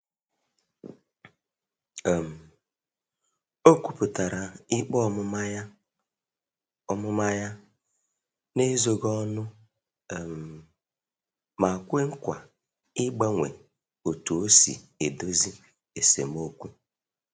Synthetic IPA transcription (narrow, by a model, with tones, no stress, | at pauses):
m̩˨ | o˦kʷu˦pʊ˨ta˨ɾa˨ɪ˦k͡pɔ˦m˦ | ɔ˦mʊ˦ma˦ja˦ | ne˦zo˨ɡɔ˦nʊ˦˨ | m̩˨ | ma˨kʷe˦ŋ̩˦kʷa̰˨ | ɪ˦ɡ͡ba˦ŋʷḛ˨ | o˨tu˨o˦sḭ˨e˨do˦zi˦ | e˨sḛ˨m˦o˦kʷu˦